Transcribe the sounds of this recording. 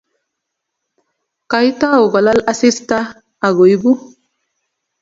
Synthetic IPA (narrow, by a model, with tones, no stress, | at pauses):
ka˨jt̪a˦o˨ɡa˨la˦la˦si˦st̪a˦ | a˨ɡo˨jbu˦